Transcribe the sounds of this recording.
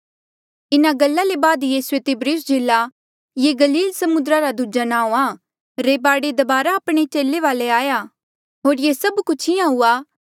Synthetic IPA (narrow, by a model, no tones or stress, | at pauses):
ɪnaɡɐlːalebaːd̪jiːset̪ɪbɾiːsd͡ʒɪlːa | jeɡɐliːlsɐmʊnd̪ɾaɾad̪ud͡ʒanãːõa | ɾeːbaːɽed̪ɐbaːɾaəpɽ̃et͡ʃeːlːeʋaːleaːja | ɦoːɾjesɐbkʊt͡ʃʰiãɦua